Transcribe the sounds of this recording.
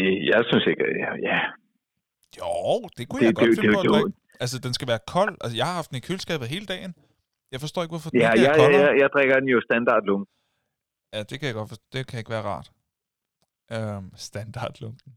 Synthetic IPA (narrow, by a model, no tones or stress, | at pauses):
ejɑ̈ɪsynseɡ̥æjæ | joʊ̰d̥e̝kʰujd̥ɡ̥e̥e̥e | æls̬əd̥ensɡ̥æʋæːɐkʰɒ̽l̰ʔælsəjɑ̈hɑ̈hɑ̈fd̥nekʰylsɡ̥ɛ̰ːb̥ð̩ˠɦe̝ːləd̥ɛ̰ːɪn | jɑ̈ɪfɒsd̥ɔ̰ːe̝ɡ̥ʋɔfɒ̽djæjɑɪɒjaɪjɑɪd̥ʁɛɡ̥ɐd̥enjosd̥ænd̥ɑ̰̈ːd̥lɔŋd̥̩ | jæd̥e̝kʰæjɑɡ̥ɒ̽d̥fɒsdo̰ːd̥e̝kʰæjɑe̝ɡʋæːɐʁɑ̰̈ːd̥ | ʔømsd̥ænd̥ɑ̈ːd̥lɔŋd̥n̩